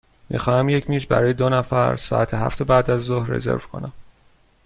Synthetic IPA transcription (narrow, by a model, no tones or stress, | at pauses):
mʔḭxɒːhæmje̞cʰmiːʃbæ̰ɾɒːjed̪onæfæɾsɒ̰ːʔæt̪ʰeɦæ̰ft̪ʰobæːd̪æzːohɾrḛze̞̰ɾvkʰo̞̰næ̰m